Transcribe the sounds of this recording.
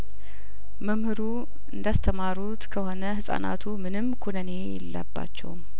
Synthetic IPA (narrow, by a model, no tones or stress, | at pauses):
məmhɨɾu | ɨnd̪ast̪ʰəmaɾut̪kʰəho̞nəhɨsʼa̰na̰t̪ʰumɨnɨmkʰunəne̞jɛ̰lːə̰bːa̰t͡ʃːɛ̰wm